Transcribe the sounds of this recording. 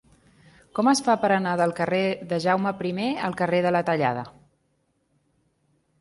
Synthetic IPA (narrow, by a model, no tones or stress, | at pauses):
kɔməsfapəɾənaðəlˠkəreðəʒawməpɾimeəlˠkəreðələt̪əʎa̰ðə̰